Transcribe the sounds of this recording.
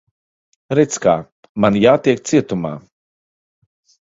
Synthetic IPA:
ɾɛt̪ska̰ː | manjaːt̪iɛk̚t̪siɛt̪uma̰ː

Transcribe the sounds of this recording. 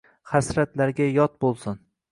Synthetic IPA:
χasɾat̪laɾɡʲajɒt̪̚bolˠsɪn

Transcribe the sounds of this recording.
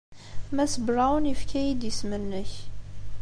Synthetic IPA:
θmæsəbɾˤawnifkʰæjid̪jəsmənːəç

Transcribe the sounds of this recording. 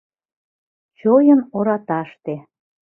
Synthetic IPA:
t͡ɕojənoɾɑt̪ɑʃt̪e

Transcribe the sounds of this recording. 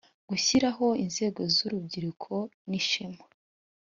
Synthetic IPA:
ɡ̥uçiɾaɦo̞inze̞ːɡo̞zuɾub̚ɟiɾukʰo̞niʃima

